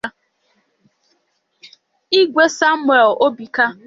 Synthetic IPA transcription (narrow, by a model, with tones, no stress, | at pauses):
i˦ɡʷe˦sa˦m˦e˨lʔo˦bi˨ka˦